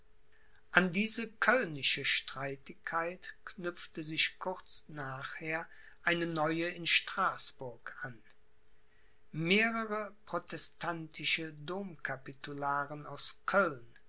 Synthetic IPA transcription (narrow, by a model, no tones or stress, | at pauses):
ʔandiːzəkʰœlnɪʃəʃtʁ̥aɪtɪkʰːaɪtknʏp͡ftəzɪçkʰʊʁt͡snaːχheːɐ | ʔaɪnənɔʏəɪnʃtʁ̥aːsb̥ʊɐkʔan | meːʁəʁəpʁ̥otʰɛstʰantʰɪʃədoːmkʰapitulaːʁənaʊskʰœln